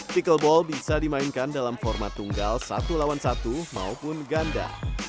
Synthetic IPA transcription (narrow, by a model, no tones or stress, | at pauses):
t̪ikəlbɔlbisadimaɪnkandalamfɔrmat̪ːuŋɡalsa̰t̪ulawansat̪uma̰upʊnɡanda̰